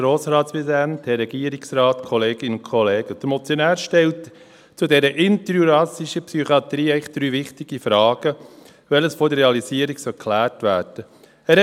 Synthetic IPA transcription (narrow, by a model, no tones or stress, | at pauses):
ɾoːsɾɑːtsʋizɛnthɛɾɛɡ̥iːəɾɪksɾɑːtkʰɔleːɡɪnʊnkʰɔleːɡ̥əd̥əɾmɔt͡sjɔnæːɾʃtɛlt | t͡sʊdɛɾəʔɪnt̪əɾjuɾɑsɪʃəpsyχɑt̪ɾiːɛɪχd̪̥ɾyːʋɪχtɪɡ̥ifɾɑːɡ̥ə | ʋɛləsfɔːdərɾeɑlisiːəɾiɡsɔkʰlæːrtʋæːɾd̥ə | æɾ